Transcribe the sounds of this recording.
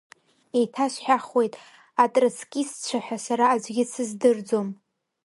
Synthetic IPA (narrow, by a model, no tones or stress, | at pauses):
e̞jtʰaʃʷħaχwe̞jtʼ | atʼrɨt͡sʰkʲʼist͡ɕʷʰaħʷᶣasaɾaːd͡ʒʷɡʲɪsʰɨzdɨrd͡zo̞m